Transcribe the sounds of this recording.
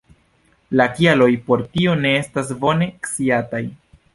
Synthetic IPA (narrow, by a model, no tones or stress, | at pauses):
lakialo̞jpo̞ɾtio̞ne̞e̞stas̬bo̞ne̞ksiataj